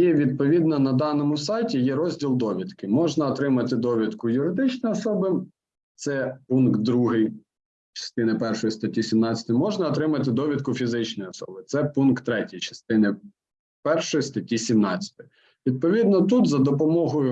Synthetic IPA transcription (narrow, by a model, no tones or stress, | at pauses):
jɛʋʲid̪̚pɔʋʲid̪nɐnɐd̪ɑnɔmʊsɑjtʲijɛɾɔzʲdʲilˠd̪ɔʋʲid̪kɪmɔʒnɐːt̪ɾɪmɐt̪ɪd̪ɔʋʲid̪kʊjʊɾɪd̪ɪt͡ʃnɔjɔsɔbɪ | t̪sɛpunk̪̚d̪ɾuɦɪj | t͡ʃɐ̥st̪ɪnɪpɛrʃɔjist̪ɐtʲisʲimnɑt͡sʲɐ̥t̪ʊjmɔʒnɐːt̪ɾɪmɐt̪ɪd̪ɔʋʲid̪̚kʊfʲizɪt͡ʃnɔjɔsɔ̰bɪt̪sɛpunkt̪ːɾɛtʲijt͡ʃɐ̥st̪ɪnɪ | pɛrʃɔjist̪ɐtʲisʲimnɑt͡sʲɐ̥t̪ɪj | ʋʲid̪̚pɔʋʲid̪nɔt̪ut̪zɐd̪ɔpɔmɔɦɔjʊ